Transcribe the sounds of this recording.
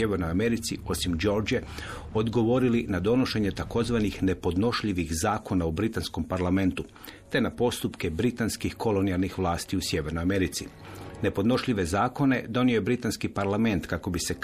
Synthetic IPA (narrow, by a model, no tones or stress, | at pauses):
jeʋeɾnojame̞ɾit̪sio̞simd͡ʒo̞ɾd͡ʒe | o̞d̪ɡo̞ʋo̞ɾilinad̪o̞no̞ʃe̞ɲe̞t̪ako̞zʋanixne̞po̞d̪no̞ʃʎiʋiɣzaːko̞naubɾit̪ansko̞mpaɾlame̞nt̪u | t̪e̞napo̞st̪upke̞bɾit̪anskixko̞lo̞nialˠnixʋlˠaːst̪iusje̞ʋe̞ɾnojame̞ɾit̪si | ne̞po̞d̪no̞ʃʎiʋe̞zaːko̞ne̞d̪o̞nioje̞bɾit̪anskipaɾlˠame̞nt̪kako̞bise̞